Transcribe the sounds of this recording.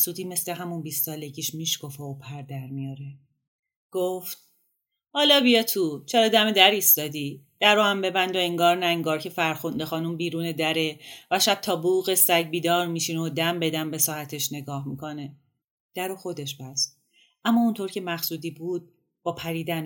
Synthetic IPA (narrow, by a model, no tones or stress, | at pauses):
xsuːd̪iːme̞sleɦæmunbiːst̪sɒːle̞ɟiːʃmiːʃkofeopʰæɾd̪æɾmijɒːɾe | ɡ̥oft̪̚ | hɒːlɒːbijɒt̪ʰuːt͡ʃʰeɾɒːd̪æmed̪æɾiːst̪ɒːd̪iːd̪̥æɾoæmbe̞bænd̪oeŋɡɒːɾnæeŋɡɒːɾcʰefæɾxund̪exɒːnumbiːɾuːned̪æɾe̞væʃæb̥̚t̪ʰɒːbuːɣesæɟbiːd̪ɒːɾmiʃinod̪æmbe̞d̪æmbesɒːhæt̪ʰeʃne̞ɡɒːhmikʰo̞ne | d̪̥æɾoxo̞d̪e̞ʃbæst̪ | ʔæmːɒːunt̪ʰoɾcʰe̞mæxsuːd̪iːbuːd̪̥̚ | b̥ɒːpʰæɾiːd̪æn